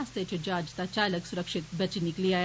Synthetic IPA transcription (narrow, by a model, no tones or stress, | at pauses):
ast̪jet͡ɕed͡ʑad͡ʑt̪at͡ɕaləksuɾəkʂit̪̚bʱət͡ɕiniklia